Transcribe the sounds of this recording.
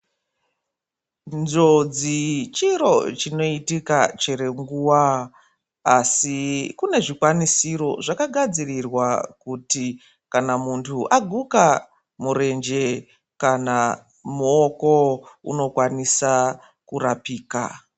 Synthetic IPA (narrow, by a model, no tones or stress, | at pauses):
nzo̞d͡zit͡ʃiɾo̞t͡ʃino̞itikat͡ʃeɾe̞ŋɡuːwa | asikune̞ʐikwanisiɾo̞ʐakaɡʱad͡zirirwakuti | kanamuntʰuʔaɡʱuka | muɾe̞nd͡ʒe̞ | kana | muo̞ko̞ṵno̞kwanisa | kurapiːka̰